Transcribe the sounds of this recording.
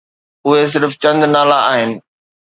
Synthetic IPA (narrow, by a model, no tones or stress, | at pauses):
ʊɦes̬ɪɾft͡ɕɐ̃nd̪naːlaaːɦɪnɪ̆